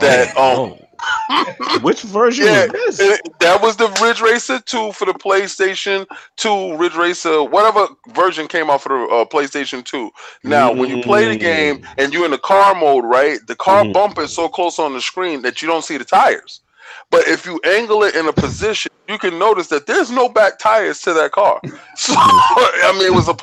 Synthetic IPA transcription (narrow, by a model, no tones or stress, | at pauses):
ðɨt̚ʌ̃m | wɪt͡ʃvɜ˞ʒɨ̃jæɪzɨ̃ðɨt̚wʌzðɨɹɪdɹeɪsətʰufə˞ðɨpʰl̥eɪsteɪʃɨ̃ntʰuɹɪdɹeɪsəwʌɾɛvə˞vɜ˞ʒɨ̃nkʰẽɪ̃mɔtfə˞ðəʌpʰl̥eɪsteɪʃɨ̃ntʰunaʊwə̃njɨpʰl̥eɪðɨɡẽɪ̃mɨ̃njɨɨ̃nðɨkʰɑɹmoʊd̚ɹaɪt̚ðɨkʰɑɹbʌ̃mpɨ̃tsoʊkʰl̥oʊsn̩ðɨskɹĩnðɨt͡ʃɨɾõʊ̃ntsiðɨtʰaɪə̰˞z̥ | b̥ʌɾɪfjɨʔæ̃ŋɡl̩ˠɪɾʔɨ̃nəpʰɨzɪʃɨ̃njɨkɨ̃nːoʊɾɨsðɨt̪̚ðə˞znoʊbæk̚tʰaɪə˞z̥tʰɨðɨt̚kʰɑ̰ɹsoaɪmĩnɨt̚wʌzəp